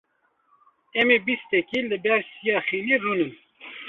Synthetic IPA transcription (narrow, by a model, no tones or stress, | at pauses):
ɛmebist̪ɛkiːlɨbɛɾsijɑːxiːniːruːnɨn